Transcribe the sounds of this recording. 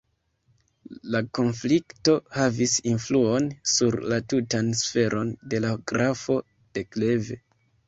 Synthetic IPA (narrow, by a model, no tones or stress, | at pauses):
lako̞nflikto̞havisinfluo̞nsuɾlatutansfe̞ɾʔo̞nde̞laɡɾafo̞ | d̥e̞kle̞ve̞